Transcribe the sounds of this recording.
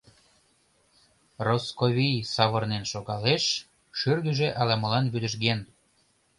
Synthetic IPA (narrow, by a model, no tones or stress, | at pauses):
roskoβʲijsɑβɤrnenʃoɣɑleʃ | ʃyrɣəʒeʔɑlɑmə̆lɑnβyd̪əʃ̬ɣen